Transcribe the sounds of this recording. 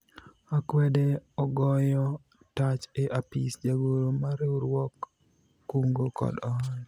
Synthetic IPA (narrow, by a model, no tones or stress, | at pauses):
akwɛdeɔɡɔjɔ | tat͡ʃeʔapḭsd͡ʒaɡoɾomaɾeuɾwɔkː | uŋɡokɔ̰dɔn